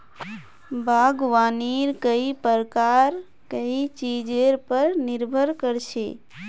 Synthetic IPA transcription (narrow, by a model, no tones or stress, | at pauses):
bʱaːɡʋaːniɾkəipəɾkaɾ | kəit͡ʃid͡ʒeɾpəɾnɪɾbʱəɾkəɾt͡ʃʰeː